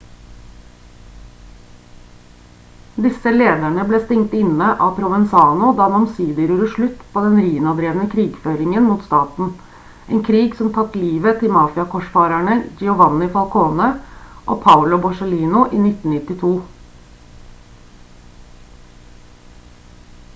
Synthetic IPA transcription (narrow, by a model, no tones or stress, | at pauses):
d̪ɪsəleːd̪æɳəbleːst̪ɪŋt̪ɪnəʔɑːpʰɾʊʋɛnsɑːnʊd̪ɑːmɑmsiːd̪əɾuːɾəʂɭʉt̪ːpʰoːd̪ɛnɾiːnɑd̪ɾeːʋnəkʰɾiːɡføːɾɪŋənmuːt̪st̪ɑːt̪n̩ | ʔeːnkʰɾiːɡsɔmt̪ʰɑt̪liːʋət̪ʰɪmɑːfɪɑkʰɔʂfɑːɾæɳəd͡ʒɛʊʋɑnːɪfɑlkʰoːnəʔo̰ːpʰɑʊlʊbɔʂəliːnʊʔiːnɪt̪n̩nɪt̪ɪt̪ʰuː